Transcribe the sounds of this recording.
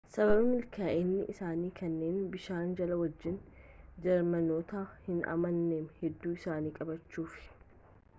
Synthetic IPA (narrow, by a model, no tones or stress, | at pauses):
sɐbɐbɐmɪlkʰaːʔeːnːɪʔɪsaːniːkʰɐnːe̞ːnbɪʃaːnd͡ʒɐlɐwɐd͡ʒːɪnd͡ʒɛɾmɐnoːt̪ahɪnɐ̰mɐnːeːmhɛd̪ːuːɪsaːniːkʼɐbɐt͡ʃːuːfɪ̥